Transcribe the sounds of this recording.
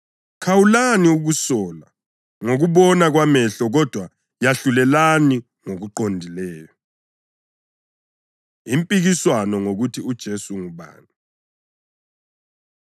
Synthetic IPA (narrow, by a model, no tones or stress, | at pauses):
kʰawulaniuɣusɔːla̰ | ŋoɣuβɔnaɣwamɛɬɔɣɔd̥ʱwa | jaɬulɛlani | ŋoɣuǃondʱilɛːjɔ | impʼiɣiswanɔŋoɣutʰiud̥ʒ̥ʱesuŋuβa̰ːni